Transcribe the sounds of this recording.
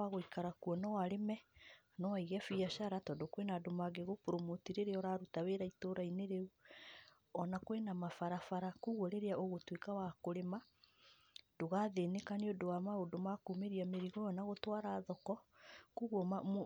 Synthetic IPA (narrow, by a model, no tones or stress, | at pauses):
aɣoikaɾakuɔnɔwaɾemɛ | nɔwaiɣɛfiaʃaɾatɔdokwenadomaɡeɣopoɾomotiɾeɾeɔɾaːɾutaweɾaitoɾaineɾeu | ɔnakwenamafaɾafaɾakuɣwɔɾeɾeaʔoɣotwekawakoɾema | doɣaðenekaneodowamaodomakumeɾiameɾiɣɔjɔnaɣotwaːɾaːðɔkɔkuɣwɔma